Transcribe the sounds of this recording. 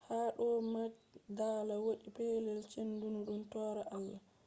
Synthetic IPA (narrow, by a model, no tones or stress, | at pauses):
haɗɔmat͡ʃdaːlawoɗipɛlɛlt͡ʃendunuɗuntɔːɾaʔalːa